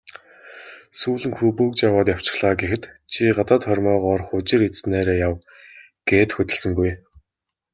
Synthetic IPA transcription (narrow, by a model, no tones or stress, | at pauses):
suːɮɘ̆ŋxɵpɵːkt͡ɕjawaːt̪jaw̥t͡ɕɪ̥̆χɮaːɡexɘ̆t̪t͡ɕʰiɢat̪aːt̪χɔrʲmœːʁɔrχʊt͡ɕɪ̆ɾit͡sneːɾeːjaw | ɡ̥eːt̪xɵt̪ʲɪ̆ɮsɘ̆ŋɡuj